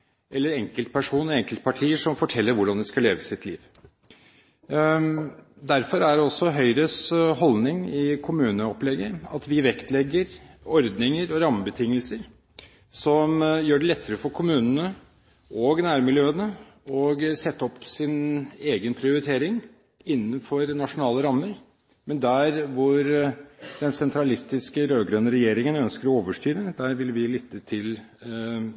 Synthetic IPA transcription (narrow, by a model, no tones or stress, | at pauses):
ʔɛlːəɾɛŋkəlt̪̚pʰæʂuːnɔɛŋkəlt̪̚pʰɑʈʰiːəʂɔmfɔʈʰɛlːəɾʋʊɖɑnd̪ɪskɑleːʋəsɪt̪ʰlḭːʋ | d̪æɾfɔɾæɖɛɔsːɔɦœʏɾəsɦɔlnɪŋɪkʰʊmʉːnəɔplɛɡəɾɑt̪ʋɪʋɛkt̪lɛɡːəɾɔɾd̪nɪŋəɾɔɾɑmːəbət̪ʰɪŋːəlsəɾ | sɔmjøːɖɛlɛt̪ʰːəɾəfɔɾkʰʊmʉːnənə | ʔɔɡnæːɾmɪljøːənə | ɔɡsɛt̪ːəɔpːsɪneːɡənpʰɾɪʊɾɪt̪ʰeːɾɪŋ | ɪnːənfɔɾnɑʂʊnɑːləɾɑmːəɾ | mɛnd̪æɾʋʊɾd̪ɛnsɛnt̪ɾɑlɪst̪ɪskəɾøːɡɾœnːəɾɛjeːɾɪŋənœnskəɾɔoːʋəʂʈyːɾəd̪æɾʋɪlʋɪlɪt̪ʰːət̪ʰɪl